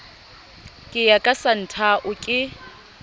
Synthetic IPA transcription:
kʼɪjakʼasan̩tʰaʔʊkʼɪ

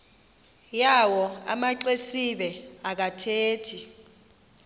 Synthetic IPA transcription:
jawɔa̰maǃesiɓɛak̬atʰeːtʰi

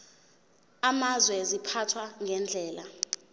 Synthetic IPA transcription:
amazwɛzipʰatʰwaŋʱɛnd͡ɮʱɛːla

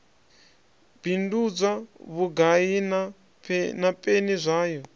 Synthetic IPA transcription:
b̥indud͡zʷaβuɡaina | napʼenizʷaːjɔ

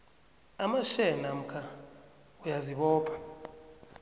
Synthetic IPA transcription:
amaʃɛnam̩kʰa | ujaziɓɔːpʰʼḁ

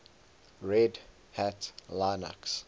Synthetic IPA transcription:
ɹɛd | hatlaɪna̰ks

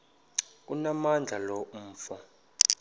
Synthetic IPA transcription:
kunamand͡ɮʱalɔmːfɔ

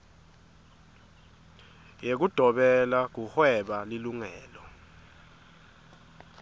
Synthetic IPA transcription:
jek̬ud̥ʱɔɓɛlak̬uhwɛɓaliluŋɛːlɔ

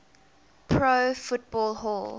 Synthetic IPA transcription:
pʰɹofʊt̚bɔlˠɦɔlˠ

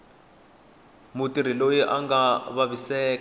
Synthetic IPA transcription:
mutiɾ̤ilojiʔaŋɡaβaβisɛːk

